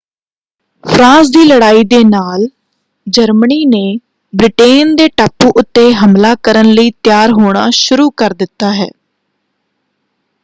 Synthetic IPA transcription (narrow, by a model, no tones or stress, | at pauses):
pʰɾãːsd̪iːləɽaːiːd̪eːnaːl | d͡ʒəɾməniːneː | bɾɪʈeːnd̪eːʈaːpːuːʔʊt̪ːeːɦəmlaːkəɾənləiːt̪jaːɾɦoːɽ̃aːʃʊɾuːkəɾd̪ɪt̪ːaːɦɛ̰ː